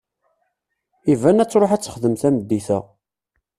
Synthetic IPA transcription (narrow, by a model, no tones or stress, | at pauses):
ivænæt͡sːɾˤoħæt͡sːə̥χðəmθæməd̪ːiθæ̰